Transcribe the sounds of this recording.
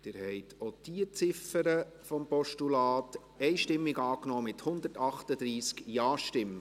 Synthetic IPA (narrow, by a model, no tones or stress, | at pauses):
d̥̪ɪːɾhɛɪtʰot̪iət͡sɪfəɾə | fɔmpɔʃtulɑːt | ɛɪʃtɪmːɪɡɑːknɔːmɪthʊnd̪əɾtɑχtəd̪ɾiːskjɑːʃtɪm